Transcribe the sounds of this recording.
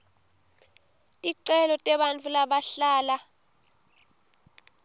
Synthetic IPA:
iǀɛlɔtʼɛɓant͡fʰulaɓaɬaːla

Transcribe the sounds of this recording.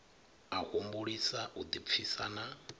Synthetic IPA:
ahumbuɺisaʔud̪ip̪fʰisana

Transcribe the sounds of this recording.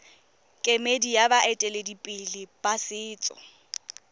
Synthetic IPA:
kʼemedijabaʔɛtʼɛledipʼɪlɪb̥asɪːt͡sʼɔ̰

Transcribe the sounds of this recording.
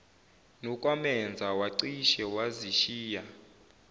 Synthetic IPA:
nɔkʼwamɛnd͡zʱawaǀiʃɛwaziʃiːja

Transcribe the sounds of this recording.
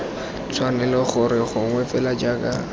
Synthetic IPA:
t͡sʰwanɛlɔχʊɾɪχʊŋwɛfɛlad͡ʒaːka

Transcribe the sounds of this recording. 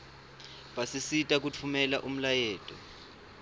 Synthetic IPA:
ɓasisitʼak̬ut͡fʰumɛlaʔum̩lajɛːtʼɔ

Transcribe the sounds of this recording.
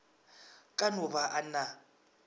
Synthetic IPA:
kʼanʊβaʔana

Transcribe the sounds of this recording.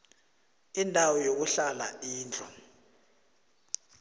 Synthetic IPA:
indʱawɔjok̬uɬala̰iːnd͡ɮʰʱʼɔ

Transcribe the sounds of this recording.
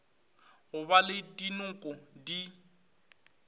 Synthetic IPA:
ɣʊbalɪdinʊkʼʊdi

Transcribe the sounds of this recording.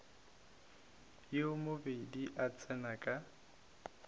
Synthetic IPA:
jemobediʔat͡sʼɛnakʼa

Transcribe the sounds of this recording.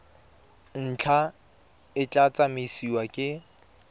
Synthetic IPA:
n̩t͡ɬʰa | ɪt͡ɬʼat͡sʼamesiwakʼɪ

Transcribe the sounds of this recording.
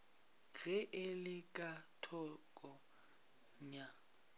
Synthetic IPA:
ɣɛʔɪlɪkʼatʰɔkʼɔ | ɲa

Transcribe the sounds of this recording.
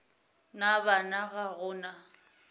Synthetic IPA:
nabanaɣaɣʊːna

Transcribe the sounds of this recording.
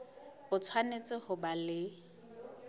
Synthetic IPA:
bʊt͡sʰwanet͡sʼɪhʊbalɪ

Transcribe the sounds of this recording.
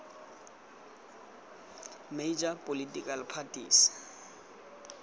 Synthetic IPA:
med͡ʒapʼolitʼikʼalpʰatʼḭːs

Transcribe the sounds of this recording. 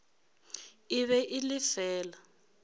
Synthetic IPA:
iβɛʔilifɛːla

